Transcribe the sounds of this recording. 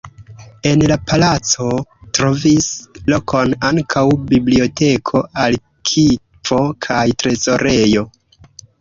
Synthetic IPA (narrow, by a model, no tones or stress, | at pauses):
e̞nlapalat͡so̞tɾo̞vislo̞kʰo̞naŋkʰawbiblio̞te̞kʰo̞ʔal | kʰi | p͡fo̞kʰajtɾe̞zo̞ɾe̞jo̞